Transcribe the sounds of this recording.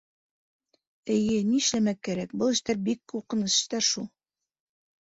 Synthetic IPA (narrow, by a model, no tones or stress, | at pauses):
ɘ̆jɘniɘ̆ʃlæmækːæɾækbɤlˠɘ̆ʃt̪æɾbikːuɾqɤ̆nɤsɘ̥̆ʃt̪æɾʃulˠ